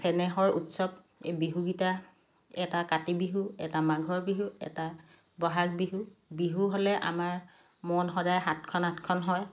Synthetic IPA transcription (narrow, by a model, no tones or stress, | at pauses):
sɛnɛxɔɹṵtsɔb̚ | biɦuɡita | ɛtakatibiɦuɛ̰tamaɡʱɔɹbiɦuɛ̰ta | bɔɦaɡbiɦubiɦuɦolɛʔa̰maɹ | mɔnxɔdajɦatkʰɔnatkʰɔnɦɔj